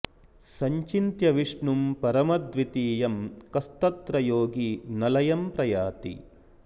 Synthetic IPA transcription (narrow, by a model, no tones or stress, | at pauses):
sɐɲt͡ʃint̪jɐʋiʂɳumpɐɾɐmɐd̪ʋit̪iːjɐmkɐst̪ɐt̪ɾɐjoːɡinɐlɐjɐmpɾɐjaːt̪ḭ